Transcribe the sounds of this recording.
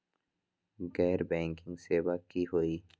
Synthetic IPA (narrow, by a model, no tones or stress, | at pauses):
ɡɛːɾbẽːŋkɪ̃ŋɡseːbakihoiː